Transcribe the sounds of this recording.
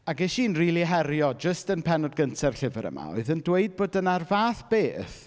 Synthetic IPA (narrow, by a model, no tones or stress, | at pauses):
aɡɛʃiːnriːlˠiɦɛɾjɔd͡ʒəstənpʰɛnɔdɡəntʰɛrɬɪvəɾə̰ma̰o̰ɨðəndweɨd̚boːdənarvaːθb̥eːθ